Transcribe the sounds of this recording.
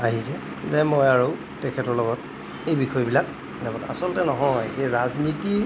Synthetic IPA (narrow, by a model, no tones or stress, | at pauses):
aɦizɛ | zɛmɔjaɹu | tɛkʰɛtɔɹlɔɡɔt | ejbixɔjbilak̚ | nɛbɔtasɔlɔtɛnɔɦɔjxejɹazniti